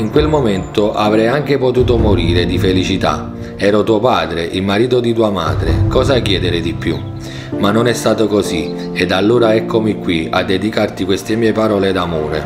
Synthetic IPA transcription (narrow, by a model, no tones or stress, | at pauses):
iŋkwelmomɛnt̪oʔavɾɛjaŋk̟epot̪uːt̪omoɾiːɾed̪ifelit͡ʃit̪a̰ | ɛːɾʊt̪uːopaːd̪ɾeʔilmaɾiːt̪od̪it̪uːama̰ːd̪ɾḛkɔːzak̟jɛːd̪ɪɾɪd̪ipːju | manːonɛst̪aːt̪okosi | ɛd̪alːoːɾaɛkʰːomikːwia̰d̪ːed̪ikart̪ikwest̪emiːepaɾɔːled̪amoːɾḛ